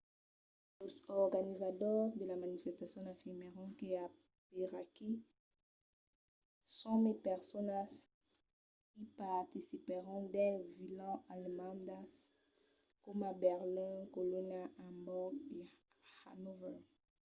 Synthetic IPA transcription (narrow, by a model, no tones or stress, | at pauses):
ozɔʁɡanizat̪ɔʁd̪əlamanifɛst̪asjɔ̃ãfiʁmeʁɔ̃kea | peʁaki | sɔ̃mepɛʁsɔnas | kipaʁt̪isipeʁɔ̃d̪ɛ̃vilɑ̃almɑ̃d̪as | kɔmabɛʁlɛ̃kolonaʔambɔɡe | ha̰nuvɛ